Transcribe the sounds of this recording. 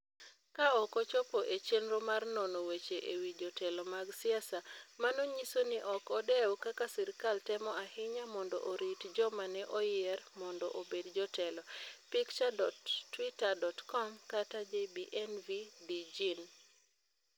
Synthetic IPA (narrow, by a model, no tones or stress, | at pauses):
kaɔkɔt͡ʃɔpɔʔet͡ʃenɾomarnɔnɔwet͡ʃeʔewid͡ʒɔtɛlɔmaɡsɪasamanoɲisonɪʔɔkɔdɛwkakasɛɾkaltɛmɔahɪɲamɔndɔ̰ʔoɾitd͡ʒɔmanɛʔɔjɛrmɔndɔ̰ʔobedd͡ʒɔtɛlɔpikt͡ʃadɔtːwitadɔtkɔmkatad͡ʒebiʔɛnvidid͡ʒin